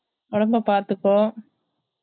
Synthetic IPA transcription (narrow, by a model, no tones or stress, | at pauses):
ɔɽɐmbɐpaːɾt̪ɯkːõː